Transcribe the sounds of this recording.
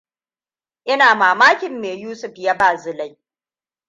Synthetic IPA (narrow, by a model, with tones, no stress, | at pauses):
ʔɪ˦naː˨maː˨maː˦kʲɪ˨mːeː˨juː˦sʊ˨ɸja˦baː˨zʊ˨la˦j